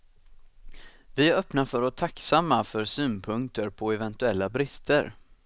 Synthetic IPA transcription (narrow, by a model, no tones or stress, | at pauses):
vɪœpnafœɾɔt̪ʰːaksamːafœɾsyːnpʰɵŋkt̪əɾpʰɔɛvɛnt̪ɵɛlːabɾɪst̪ʰəɾ